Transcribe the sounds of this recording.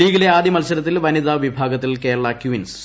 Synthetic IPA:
iːɣileaːd̪ʱjɐmɐlsɐlɐt̪ːilʋɐniðaːʋibʱaːɡɐt̪ːilke̞ːɭɐɭaːkjuʋins

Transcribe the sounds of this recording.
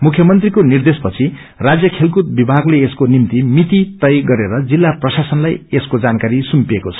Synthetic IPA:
mukʰjʌmʌnt̪rikonird̪espʌt͡sʰi | rad͡zjʌkʰelkut̪̚bibʱaɡleeskonimt̪imit̪it̪ʌjɡʌɾeɾʌd͡zilːaprʌsasʌnlajeskod͡zankaɾisumpiekot͡sʰʌ̥

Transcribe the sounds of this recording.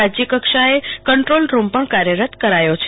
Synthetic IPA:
ad͡ʒjəkəkʃaekəɳʈɾolɾumpəɳkaɾjəɾət̪kəɾajot͡ʃʰ

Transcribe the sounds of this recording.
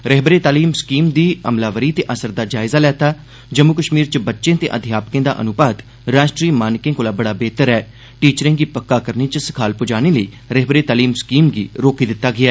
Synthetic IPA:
ɾəɦbəɾeːt̪aːliːmskiːmd̪iːəmlaːʋəɾiːt̪eːʔəsəɾd̪aːd͡ʒaːɪzaːlɛːt̪aː | d͡ʒəmːʊkəʃmiːɾt͡ʃəbətːʃẽːt̪ḛːʔəd̪ʱɪjaːpkẽːd̪a̰ːʔə̰nʊbaːd̪ | ɾaːʃʈɾiːmaːnkẽːkoːlaːbəɽaːbeːt̪əɾɛː | ʈiːt͡ʃɾẽːkiːpəkːaːkəɾniːt͡ʃəsɪ̥kʰaːlpʊd͡ʒaːñeːləḭː | ɾɛɦbəɾeːt̪aːliːmskiːmɡiːɾoːkiːd̪ɪt̪ːaːɡɪaː

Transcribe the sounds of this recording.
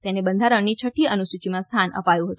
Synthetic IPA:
t̪enebənd̪ʱaɾəɳnːit͡ʃʰəʈʰːiənusut͡ʃimãst̪ʰanə̰pajũɦət̪ũ

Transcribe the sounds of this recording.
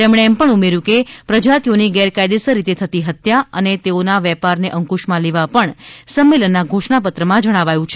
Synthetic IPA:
t̪emɽ̃eːmpəɳumeɾjũkepɾəd͡ʒat̪ijoniɡɛɾkajd̪esəɾit̪et̪ʰət̪iɦət̪jaə̰net̪eonaʋɛpaɾneʔəŋkuʃmãleʋapəɳsəmːelənːaɡʱoʃɳapət̪ɾəmãd͡ʒəɽ̃aʋajũt͡ʃʰe

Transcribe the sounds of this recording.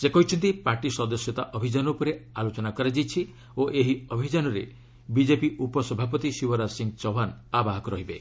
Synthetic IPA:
sekɔɦit͡ʃʰɔnt̪ipaɾʈisɔd̪ɔsjɔt̪aʔɔbʱid͡ʒanɔupɔɾealot͡ʃɔnakɔɾad͡ʒijt͡ʃʰi | oʔeɦiɔbʱid͡ʒanɔɾe | bid͡ʒepiʔupɔsɔbʱap̬ɔt̪isibɔɾasiŋɡt͡ʃɔbanabaɦɔkɔɾɔɦibe

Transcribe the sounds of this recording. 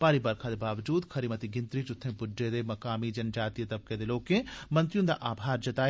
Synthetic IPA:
paːɾibɐɾkʰaːd̪ebaːʋd͡ʒuːd̪kʰɐɾimɐt̪iɡɪnt̪ɾit͡ʃʊt̪ʰːẽbʊɖːed̪emɐkaːmid͡ʒɐnd͡ʒaːt̪ijɐt̪ɐb̚ked̪eloːkẽmɐ̃nt̪ɾijũnd̪a̰ʔaːbʱaːɾd͡ʒɐt̪aː

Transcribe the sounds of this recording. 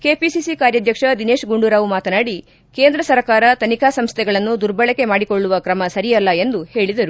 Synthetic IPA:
keːpisisikaːɾjɐd̪ʱjɐkʂɐd̪ine̞ːʃɡuɳɖuɾaːʋumaːt̪ɐnaːɽi | ke̞ːnd̪ɾɐsɐɾkaːɾɐt̪ɐnikʰaːsɐmst̪ʰɛɡɐɭɐnːud̪uɾbɐɭɐke̞maːɽiko̞ɭːuʋɐkɾɐmɐsɐɾijɐlːɐe̞nd̪uhe̞ːɭid̪ɐɾu

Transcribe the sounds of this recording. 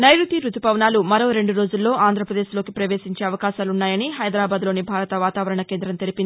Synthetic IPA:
nɐjɾut̪iɾut̪upɐʋnaːlumɐɾo̞ːɾe̞ɳɖuɾo̞ːd͡ʒulːo̞ːʔaːnd̪ʱɾɐpɾɐd̪eːʃlo̞ːkipɾɐʋe̞ːsiɲt͡ʃe̞ːɐʋɐkaːʃaːlunːaːjɐniɦɐjd̪ɾaːbaːd̪lo̞ːnibʱaːɾɐt̪ɐʋaːt̪aːʋɐɾɐɳɐke̞ːnd̪ɾɐmt̪e̞lipini

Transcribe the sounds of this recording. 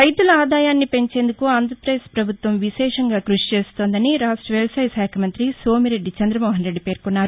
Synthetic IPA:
ɐjt̪ulɐaːd̪aːjaːnːipe̞ɲt͡ʃe̞ːnd̪ukuaːnd̪ɾɐɾpɾɐeːspɾɐbʱut̪ʋɐmʋiʃɛːʂɐŋɡaːkɾuʂi̥t͡ʃeːst̪o̞ːnd̪ɐniɾaːsʈɐʋelsɐːjsaːkʰɐmɐnt̪ɾiso̞ːmiɾe̞ɖːit͡ʃɐnd̪ɾɐmɔːɦɐnɾe̞ɖːipe̞ːɾkunːaːɾu

